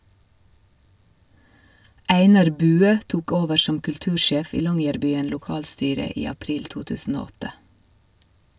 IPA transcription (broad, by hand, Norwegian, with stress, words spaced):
ˈæɪnɑɾ ˈbʉːøː ˈtuːk ˈoːʋəɾ ˈʃɔm kʉlˈtʉːɾˌʃeːf ˈiː ˈlɔŋjæɾbyːən lʊˈkɑːlˌstyːɾə ˈiː ɑˈpɾiːl ˈtuː ˈtʉːsn̩ ˈoː ˈɔtə